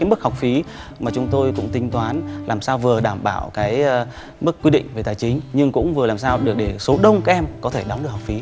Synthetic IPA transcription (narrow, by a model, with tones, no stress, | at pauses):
aː˨˦jmɨ˦˥k̚ha˨˩wk͡p̚fi˨˦ | maː˨˩t͡ɕʊ˨˦ŋ͡mt̪o˧jkʊ̰˧˥ŋ͡mt̪ï˧ŋ̟t̪waː˨˦nlaː˨˩msaː˧wvɨ˨˩əɗaː˧˩mɓaː˧˩wkaː˨˦j | m˦˥kːwi˧ɗḭ˧˨ŋ̟ve˨˩t̪aː˨˩jt͡ɕï˨˦ŋ̟ɲɨ˧ŋkʊ̰˧˥ŋ͡mvɨ˨˩əlaː˨˩msaː˧wɗɨ˨˩ək̚ɗe˧˩so˨˦ɗə˧wŋ͡mkaː˨˦˥ʔɛ˧mkɔ˨˦t̪ʰe˧˩ɗɔ˨˦ŋ͡mɗɨ˨˩k̚hk͡p̚fi˨˦